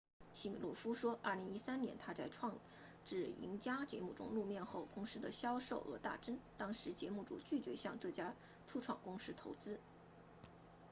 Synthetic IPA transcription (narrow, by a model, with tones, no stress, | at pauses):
ɕi˥˩mi˨˩lwɔ̰˥˩fu˥ʂwɔ˥ʔɐ˥˩li˧˥ŋi˥sa˥nnjɛ̰˧˥nt̪ʰa˥t͡sa˥˧ɪʈ͡ʂʰwɑ˥˧ŋ | ʈ͡ʂɻ̩˥˩ḭ˧˥ŋt͡ɕja˥t͡ɕjɛ˧˥mu˥˩ʈ͡ʂʊ̰˥ŋlu˥˧mjɛ˥˧nxo˥˩ʊkʊ˥ŋʂɻ̩˥d̪ə˨ɕjɑ˥ʊʂo˥˩ʊxɤ̰˧˥t̪a̰˥˩ʈ͡ʂə˥nt̪ɑ˥ŋʂɻ̩˧˥t͡ɕjɛ˧˥mu˥˩ʈ͡ʂṵ˨˩t͡ɕy˥˩t͡ɕɥɛ˧˥ɕjɑ˥˧ŋʈ͡ʂɤ˥˩t͡ɕja˥ | ʈ͡ʂʰu˥ʈ͡ʂʰwɑ̰˥˩ŋkʊ˥ŋʂɻ̩˥t̪ʰo˧˥ʊt͡sɹ̩˥